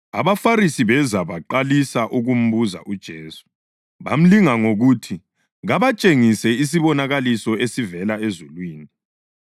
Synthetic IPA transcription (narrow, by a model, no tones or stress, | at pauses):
a̰βafaɾisiβɛzaβaǃalisaʔuɣum̩βuza̰ʔud̥ʒ̥ʱeːsu̥ | βam̩liŋaŋoɣutʰi | ɣaβat͡ʃʼeŋisɛis̬iβɔnaɣalisɔesivɛlaezulwiːni